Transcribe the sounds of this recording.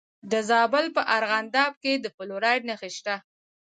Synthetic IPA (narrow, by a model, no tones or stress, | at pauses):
d̪əzɑbəlpəʔaɾɣand̪ɑb̚ked̪əfʊloɾɑɖnaxiʃʈ̪a